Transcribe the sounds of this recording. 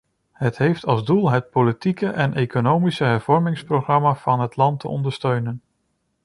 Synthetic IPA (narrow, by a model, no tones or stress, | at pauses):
ɦətɦejftɑlˠzdulˠɦət̚politikəʔɛnʔejkonowmisəɦɛɹv̥ɔɹmɪŋsproχrɑmaːv̥ɑnɦətlɑntə̰ʔɔ̰ndəɹstøɥnən